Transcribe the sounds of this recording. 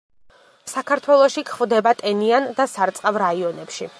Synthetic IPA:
sakʰaɾt̪ʰwɛlˠɔʃikʰχvd̪ɛbat̪ʼɛniand̪asaɾt̪sʼqʼavɾaiɔnɛpʃi

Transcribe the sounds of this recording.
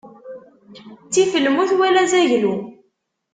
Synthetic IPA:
t͡sːifəlːmuθwælæzæʝlu

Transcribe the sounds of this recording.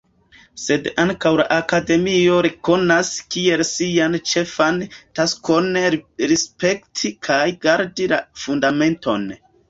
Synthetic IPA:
se̞daŋkawla̰ʔakade̞mio̞ɾeko̞naskie̞lsiant͡ʃe̞fantasko̞nɾispe̞ktʰikʰajɡaɾdilafundame̞nto̞̰n

